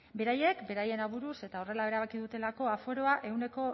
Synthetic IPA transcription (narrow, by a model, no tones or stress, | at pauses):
be̞ɾaje̞kbe̞ɾaje̞naβuɾuse̞t̪ao̞re̞lae̞ɾaβakiðut̪e̞lako̞afo̞ɾo̞aʔe̞wne̞ko̞